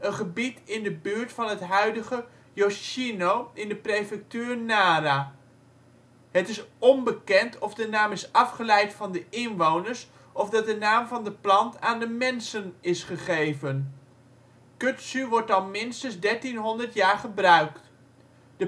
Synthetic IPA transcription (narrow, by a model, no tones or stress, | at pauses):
ənχəbitɪndəbyːɹtfɑnɦətɦœɥdəχə | joʃinowɪndəprejfɛk̚tyːɹnaːɾaː | ɦətɪsɔnbəkɛntʰɔvdənaːmɪsɑfχəlɛjtfɑndəɪnʋownəɹs | ʔɔvdɑt̚dənaːmvɑndəplɑntaːndəmɛnsənɪsχəχejvən | kɵtsyʋɔɹtɑlˠmɪnstənzdɛɹtinɦɔndəɹtjaːɹχəbrœɥkt | d̥ə